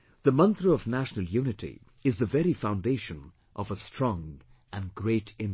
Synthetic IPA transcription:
ð̥əmʌ̃nt̪ɾəːvnæʃnəlˠjunɪtʰḭ | ɪzðəvɛɾifãʊ̃ndeɪʃə̃n | ʔɔvəstʰɹ̥ɔ̃ŋ | ʔɨ̃nɡɾeɪtʰɪ̃m

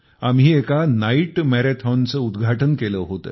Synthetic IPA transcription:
am̤iːekanaiʈmɛɾet̪ʰɔnt͡səud̪ɡʱaʈənkeləɦot̪ə̰ː

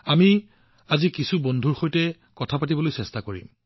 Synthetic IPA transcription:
ami | azikisubondʱuɹxojtɛ | kɔtʰapatibɔlojsɛstakoɹḭm

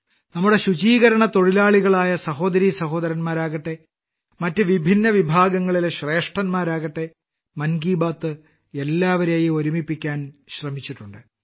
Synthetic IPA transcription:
nɐmːuɽe̞ɕud͡ʑiːɣɐɾɐɳɐt̪o̞ɻilaːɭiɣɐɭaːjɐsɐɦo̞ːd̪ɐɾisɐɦo̞ːd̪ɐɾɐnmaːɾaːɣɐʈːe̞ | mɐtːɨʋibʱinːɐʋibʱaːɡɐŋːɐɭileɕre̞ːʂʈrɐnmaːɾaːɣɐʈːe̞ | mɐnɡiːbaːt̪ːɨ | elːaːʋɐɾeːjio̞ɾumipːikʲːaːnɕrɐmit͡ɕːiʈːuɳɖɨ

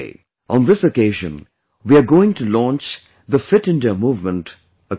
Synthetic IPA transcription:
ʔə̃nðɪsəkeɪʒə̰̃n | wiaɡoːɪ̃ŋʈulɔ̃nt͡ʃ | ðəfɪʈɪ̃nɖəmuːvmə̃nʈ | ə

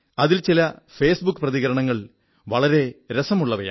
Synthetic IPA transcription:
ɐðilt͡ɕilɐfe̞ːsbukːɨprɐðiɣɐɾɐɳɐŋːɐɭ | ʋɐɭɐɾe̞ɾesɐmuɭːɐʋɐja̰

